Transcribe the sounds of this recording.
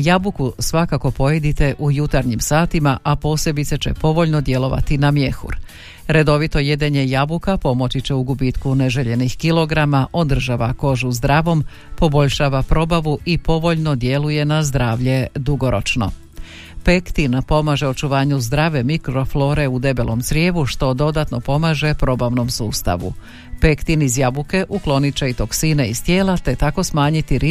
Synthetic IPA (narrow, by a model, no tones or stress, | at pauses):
jabukusʋakako̞po̞jed̪it̪e̞ʔujut̪aɾɲimsaːt̪imaʔapo̞ːse̞bit̪se̞t͡ɕe̞̰po̞ʋo̞ʎno̞d̪je̞lˠo̞ʋa̰t̪inamje̞xṵɾ | ɾe̞d̪o̞ʋit̪o̞je̞d̪eɲe̞jabukapo̞mo̞t͡ʃit͡ɕe̞uɡubit̪kuneʒeʎe̞nixkilˠo̞ɡɾamaʔo̞d̪r̩ʒaːʋako̞ʒuzd̪ɾaːʋo̞m | po̞bo̞ʎʃaːʋapɾo̞baʋuʔipo̞ʋo̞ʎno̞d̪je̞luje̞nazd̪ɾaːʋʎe̞d̪uɡo̞ɾo̞t͡ʃno̞̰ | pekt̪inpo̞maːʒe̞o̞t͡ʃuʋaːɲuzd̪ɾaːʋe̞mikɾo̞flo̞ːɾe̞ud̪e̞be̞lˠʔo̞mt̪sɾjeːʋuʃt̪o̞d̪o̞d̪at̪no̞po̞maːʒe̞pɾo̞ːbaʋno̞msuːst̪a̰ʋṵ | pe̞kt̪inizjabuke̞ʔuklo̞nit͡ʃeit̪o̞ksineist̪je̞ːlat̪e̞t̪ako̞smaːɲit̪iɾi